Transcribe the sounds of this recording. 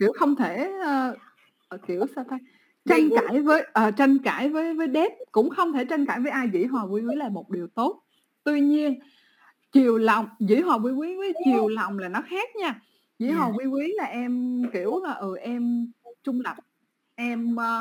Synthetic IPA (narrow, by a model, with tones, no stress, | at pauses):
ki˧˩˨əwxə˧wŋ͡mt̪ʰe˧˩əː˧˨˩ | ki˧˩˨əwsaː˧t̪a˧j | t͡ɕa˧jŋkaː˧˩jvəː˨˦jʔəː˨˩t͡ɕa˧jŋkaː˧˩˨jvəː˨˦jvəː˨˦jɗe˦˥p̚kʊ̰˧˥ŋ͡mxə˧wŋ͡mt̪ʰe˧˩t͡ɕa˧ŋkaː˧˩jvəː˨˦jʔaː˧jzḭ˧˥ɦwɔː˨˩kwi˧kwi˨˦laː˨˩mo˨˩t̚ɗi˨˩əwt̪o˦˥t̚ | t̪wi˧ɲi˧ən | t͡ɕi˨˩əwla˨˩wŋ͡mzḭ˧˥ɦwaː˨˩kwi˧wi˨˦wə˨˦t͡ɕi˨˩əwla˨˩wŋ͡mlaː˨˩nɔ˨˦xaː˦˥k̚ɲaː˧ | zḭ˧˥ɦɔ˨˩wi˧ki˨˦laː˨˩ʔɛ˧mki˧˩˨əwlaː˨˩ʔɨ˨˩ʔɛ˧mt͡ɕʊ˧ŋ͡mlə˨˩p̚ | ʔɛ˧mː˧